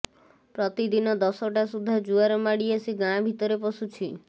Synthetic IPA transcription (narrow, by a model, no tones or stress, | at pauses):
pɾɔt̪id̪inɔd̪ɔsɔʈasud̪ʱːad͡ʒuaɾɔmaɽiasiɡãbʱit̪ɔɾepɔsut͡ʃʰi